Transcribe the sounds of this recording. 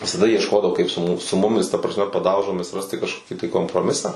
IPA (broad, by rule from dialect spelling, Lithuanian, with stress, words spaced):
ʋʲɪsɐˈdɐ iɛʃˈkoːdɐʋoː kɐɪp sʊ mʊ sʊ ˈmʊmʲɪs tɐ prɐsʲˈmʲɛ pɐˈdɐʊʒoːmʲɪs ˈrɑːsʲtʲɪ kɐʃˈkoːkʲɪ tɐɪ koːmproːˈmʲɪsɑː